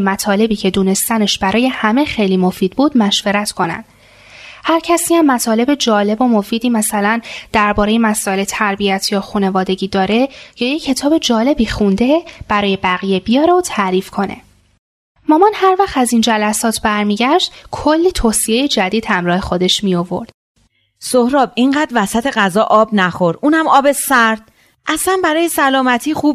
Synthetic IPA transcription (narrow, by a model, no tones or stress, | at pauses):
mæt̪ʰɒːle̞biːcʰe̞d̪uːne̞st̪æneʃb̥æɾɒːje̞hæme̞xe̞jliːmo̞fiːd̪̥̚buːd̪mæʃveɾæt̪ʰkʰo̞næ̰nd̪̥ | hæɾcʰæsiːæmːæt̪ʰɒːle̞be̞d͡ʒɒːle̞bo̞mo̞fiːd̪iːmæsælænd̪̥æɾbɒːɾe̞jemæsɒːe̞le̞t̪ʰæɾbijæt̪ʰjɒːxune̞vɒːd̪e̞ɟiːd̪ɒːɾe̞jɒːjecʰːe̞t̪ʰɒːbe̞d͡ʒɒːle̞biːxund̪e̞b̥æɾɒːje̞bæɣije̞bijɒːɾeot̪ʰæɾiːfkʰo̞ne̞̰ | mɒːmɒnhæɾvæχt̪æzind͡ʒælæsɒːt̪ʰb̥æɾmiːɟæʃd̪̥kʰolːiːt̪ʰoːsijejed͡ʒæd̪iːd̪hæmɾɒːhe̞xo̞d̪e̞ʃmijo̞vo̞̰ɾd̪̥ | sohɾɒːb̚iŋɢæːd̪ɾvæsæt̪ʰe̞ɣæzɒːʔɒːbnæxoɾd̪uːnæmɒːbesæɾd̪̥̚ | ʔæsænbæɾɒːjesælɒːmæt̪ʰiːxuːb